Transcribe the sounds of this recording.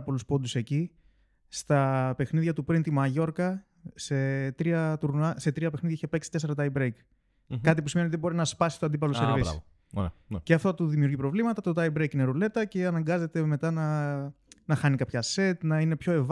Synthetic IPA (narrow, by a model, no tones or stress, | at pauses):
po̞luspo̞d̪use̞ci | st̪ɐpe̞xniðʝɐt̪upɾint̪imɐʝo̞ɾkɐ | se̞t̪ɾiɐt̪uɾnɐse̞t̪ɾiɐpe̞xniðʝɐiçepe̞ksi̥t̪e̞se̞ɾɐt̪ɐjbɾejk | kɐt̪ipusimeiot̪ðibo̞ɾinɐspɐsi̥st̪oɐnd̪ip̬ɐloseɾvis | ceɐft̪ot̪uðimiuɾʝipɾo̞vlimɐt̪ɐt̪ot̪ɐibɾejkineɾule̞t̪ɐce̞ɐnɐŋɡɐze̞t̪e̞me̞t̪ɐnɐ | nɐxɐnikɐpçɐse̞t̪nɐinepço̞e̞v